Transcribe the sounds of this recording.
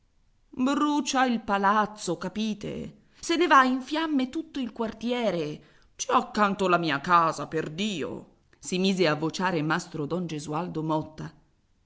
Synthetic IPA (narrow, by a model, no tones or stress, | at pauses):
bɾut͡ʃailpalat̪sokapiːt̪ḛ | senevaiɱfjamːet̪ut̪ːoilkwart̪jɛːɾe | t͡ʃiɔakːant̪olamiːakaːzaperd̪iːo̰ | simiːzeavːot͡ʃaːɾemast̪ɾod̪ɔnd͡ʒezuald̪omɔt̪ːa